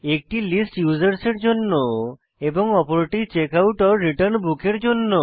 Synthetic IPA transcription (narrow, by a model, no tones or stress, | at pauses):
ek̚ʈilisʈjud͡ʑaɾseɾd͡ʑonːo | eboŋɔpoɾeʈiɾt͡ɕekawʈɔɾːiʈəɾnbukeɾd͡ʑonːo